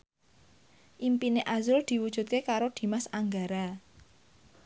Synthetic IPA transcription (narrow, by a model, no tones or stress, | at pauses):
ʔimpineʔazʊld̪̥i̤wud̥ʒ̥ṳt̪̚kekaɾod̪̥i̤masaŋɡaɾa